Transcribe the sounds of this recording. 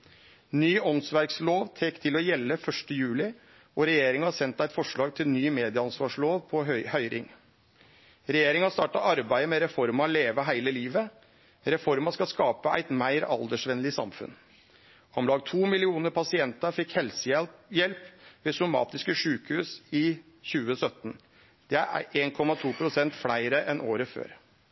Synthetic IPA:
nyːɔnsʋæɾksloːʋt̪ʰeːkt̪ʰɪlɔjɛlːəfœʂʈəjʉːlɪ | ʔɔɾɛjeːɾɪŋɑɑsɛnt̪ːæɪt̪fɔʂɭɑːɡ̚t̪ʰɪlnyːmeːd̪ɪəɑnsʋɑːʂɭoːʋpʰɔhœʏɾɪ̰ŋ | ɾɛjeːɾɪŋɑst̪ɑːʈɑʔɑɾbæɪəmɛɾɛfɔɾmɑleːʋəɦæɪləliːʋə | ɾɛfɔɾmɑskɑskɑːpəʔæ̰ɪt̪mæɪɾɑ̰ld̪əʂʋɛnəlɪsɑ̰mfʉ̰n | ɔmlɑːɡt̪ʰuːmɪlɪuːnəɾpʰɑsɪɛnt̪ɑfɪkhɛlsəjɛlpʋeːsʊmɑ̰ːt̪ɪskəʂʉːkhʉːsɪ | çʉːəsœt̪ːən̩ | d̪̥ɛæ̰ɾʔeːnkʰɔmɑt̪ʰuːpʰɾʊsɛnt̪fɽæɪɾəʔɛnʔoːɾəfø̰ːɾ

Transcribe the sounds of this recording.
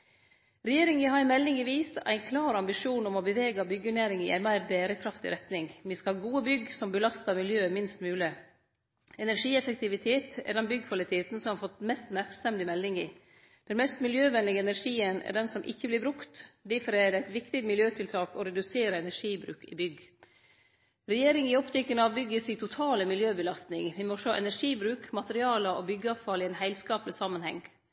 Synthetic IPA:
ɾɛjeːɾɪŋɪhɑːɾmɛlːɪŋɪʋiːsæ̰ɪnkʰlɑːɾɑmbɪʂuːnɔmɔbəʋeːɡɑbʏɡːɪneːɾɪŋɪæ̰ɪnmæɪɾbeːɾəkʰɾɑft̪ɪ̰ɾɛt̪nɪŋʋɪskɑhɑːɡuːəbʏɡsɔmbəlɑst̪ɑmɪljøːəmɪnst̪mʉːlɪ | ɛnɛɾʂiːɛfəkt̪ɪʋɪt̪ʰeːt̪ɛ̰dɛnbʏɡːkʰʋɑlɪt̪ʰeːt̪n̩sɔmɑɾfɔt̪mɛst̪mæɾksɛmd̪ɪmɛlːɪŋɪ | d̪̥ɛnmɛst̪mɪljøːʋɛnlɪɡəɛnɛɾʂiːənɛ̰ɖɛnsɔmʔɪ̰çːəblɪbɾʉkt̪d̪ɪfɾɛɾæɪt̪ʋɪkt̪ɪmɪljøːt̪ʰɪlt̪ʰɑːkʰɔɾɛd̪ʉseːɾəɛnɛʂiːbɾʉ̰ːkɪ̰bʏɡ | ɾɛjeːɾɪŋɪɔpt̪ʰɛkːənɑʋbʏɡːəsɪt̪ʰʊt̪ʰɑːləmɪljøːbəlɑst̪nɪŋʋɪmɔʂoːʔɛ̰nɛʂiːbɾʉːkmɑt̪əɾɪɑːləobʏɡːəɑʋfɑlɪɛnɦæɪlskɑːplɪsɑmənhɛ̰ŋ

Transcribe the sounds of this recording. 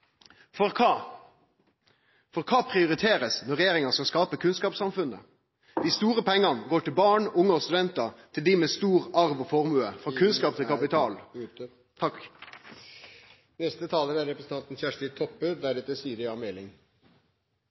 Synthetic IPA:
fɔɾʰɑ | fɔʁkʰɑːpʰʁɪʊɾɪt̪ʰeːɾəsnɔɾʁɛjeːʁɪŋɑskɑlskɑːpəkʰʉnskɑːpsɑmfʉnə̰ | d̪ɪst̪uːʁəpʰɛŋːɑnɡoːʈɪlbɑːɳʊŋːəɔst̪ʉd̪ɛnt̪ɑt̪ʰɪld̪imeːst̪uːʁɑʁʋɔfɔʁmʉːəfʁɑːkʰʉnskɑːp̚t̪ʰɪlkʰɑpɪt̪ʰɑːl | t̪ʰɑk | nɛst̪ət̪ʰɑːlənæɾɾɛpɾəsən̩t̪ɑnt̪n̩sæʂʈ̪ɪt̪ʰɔpːəd̪æɖɛt̪ːəsyːd̪əjɑmɛlɪ̰ŋ

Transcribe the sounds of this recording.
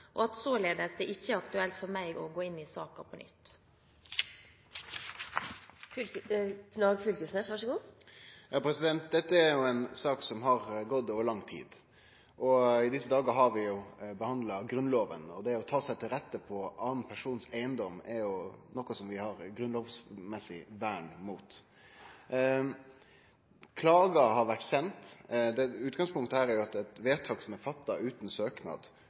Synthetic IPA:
ʔɔɑt̪soːleːɖ̪əsd̪ɛʔɪçːəæɾɑkt̪ʉɛlt̪fɔɾmæɪɡɔɡoːɪnːɪsɑːkəpʰɔnʔʏ̰t̪ː | kʰnɑːɡfʏlkəsnəʋɑʂɔɡuːjɑːpʰɾɛsɪd̪ɛnt̪d̪ɛt̪ːəæɾjʊɛɪnsɑːksɔmɦɑɾɡɔt̪ːoːʋəɾɭɑŋːt̪ʰḭːd̪ | ʔɔɪd̪ɪsəd̪ɑːɡəɦɑɾʋɪjʊbəhɑnd̪lɑɡɾʉnloːʋə̰nɔd̪ɛɾɔt̪ʰɑːsæɪt̪ʰɪlɾɛt̪ːəpʰɔɑːnpʰæʂuːnsæɪənd̪ɔmɛɾjʊnɔkɔsɔmʋɪhɑɾɡɾʉnloːʋsmɛsɪ̰ʋæːɳmuːt̪ | kʰlɑːɡɑɦɑɾʋæʈːsɛnt̪d̪ɛʉːt̪̚ɡɑŋspʊŋkt̪əhæːɾæɾjʊɑt̪ɛt̪ʋeːt̪ʰɑːksɔmæɾfɑt̪ːɑʔʉːt̪n̩søːknɑ̰ːd̪

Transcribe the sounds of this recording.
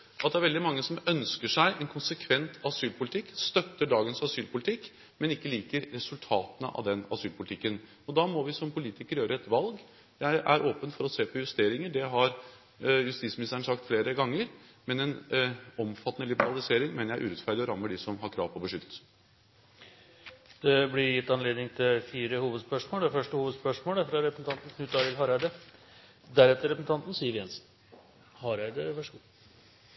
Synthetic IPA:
ʔɑt̪̚d̪ɛæɾʋɛld̪ɪmɑŋːəsɔmœnskəʂæɪʔɛnkʰʊnsəkʰʋɛnt̪ʰɑsyːlpʰʊlɪt̪ʰɪkːst̪œt̪ːəɖɑːɡənsɑsyːlpʰʊlɪt̪ʰɪkː | mɛnɪkːəliːkəɾːɛsʉlt̪ʰɑːt̪ənə̰ʔɑ̰ʋd̪ɛnɑ̰syːlpʰʊlt̪ɪkːən | ɔd̪ɑmɔʋɪsɔmpʰʊliːt̪ɪkəɾjøːɾəɛt̪ʋɑlɡ | jæɪʔæɾʔoːpənt̪fɔɾɔseːpʰɔjʉst̪eːɾɪŋəɖɛɦɑɾ | jʉst̪iːsmɪnɪst̪əɳ̩sɑkt̪fleːɾəɡɑŋːəɾmɛnɛnɔmfɑt̪ːənəlɪbəɾɑlˠɪseːɾɪŋmɛnjæɪæɾʔʉ̰ːɾɛd̪fæɾd̪ɪɔɾɑmːəɖisɔmɦɑɾkʰɾɑ̰ːʋpʰɔbəʂʏt̪t̪ | d̪̥ɛblɪɾjɪt̪ːɑnleːd̪nɪŋt̪ʰɪlfiːɾəhuːʋəd̪spœʂmoːlɛfœʂʈəhuːʋəd̪spœʂmoːləfɾɑɾɛpɾəsn̩t̪ɑnt̪n̩kʰnʉːt̪ɑɾəlɦɑɾæɪd̪ə | d̪æɾɛt̪ːəɾɛpɾsn̩ɑnt̪n̩siːəʋɪɛns | hɑɾæɪd̪əʋæʂəɡuː

